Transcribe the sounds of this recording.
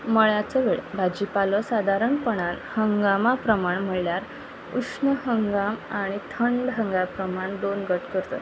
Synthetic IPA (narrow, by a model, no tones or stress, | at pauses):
məɭjat͡səʋeɭbʱad͡ʑipalɔsad̪ʱaɾəɳpəɽ̃an | həŋɡamapɾəmaɳm̤əɭljaɾ | usnəɦəŋɡamaɽ̃it̪ʰəɳɖɦəŋɡapɾəmaɳd̪onɡəʈkəɾt̪ə̰